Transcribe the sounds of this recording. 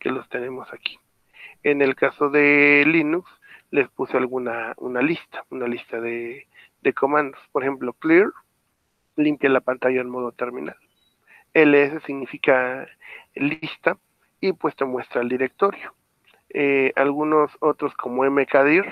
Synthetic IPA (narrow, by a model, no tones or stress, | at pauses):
kelost̪enemosaki̥ | enelkasoðelinuks | lespusoalɣunaṵnalist̪ḁunalist̪aðe | d̪ekʰomãnd̪ospoɾexemplokliɾ | limpjalapant̪aʝaenmoðot̪eɾminal | eleesesiɣnifika | list̪a | ipwest̪emwe̞st̪ɾaeld̪iɾek̚t̪oɾjo | ealɣunosot̪ɾoskʰomoemekaðiɾ